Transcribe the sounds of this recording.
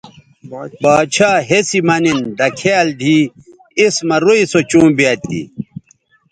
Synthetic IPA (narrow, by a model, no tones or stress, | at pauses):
baːt͡ɕʰaːɦesimɐnind̪ɐkʰeːld̪ʱi | ismɐɾoisot͡ɕũːbiaːt̪ḭ